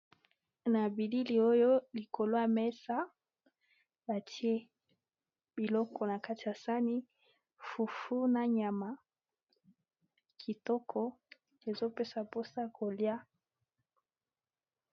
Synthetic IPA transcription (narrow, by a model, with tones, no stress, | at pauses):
na˨bi˨li˦li˨o˦jo˦li˨ko˨lo˦a˨mɛ˦sa˦ | ba˨tʰi˦e˦ | bi˨lɔ˦kɔ˨na˨ka˦ti˨ja˨sa˦ni˦ | fu˨fu˦na˦ɲa˨ma˨ | kʰi˨tɔ˦kʰɔ˦ | e˨zo˦pe˦sa˨po˦sa˦kʰo˨lja˦